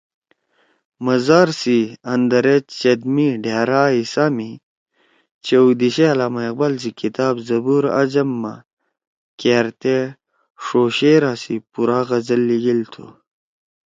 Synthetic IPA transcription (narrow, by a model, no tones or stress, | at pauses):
mɐzaːɾsiɐnd̪ɐɾet͡ɕt͡ɕɐd̪miɖeːɾaːisaːmi | t͡ɕeud̪iɕeɐlaːmɐeq̚bɐlzikit̪aːbzɐbuɾɐ̰d͡ʑɐmːa̰ | keːɾt̪e | ʂoːɕeːɾaːsipuɾaːɣɐzɐlːiɡilt̪ʰo̰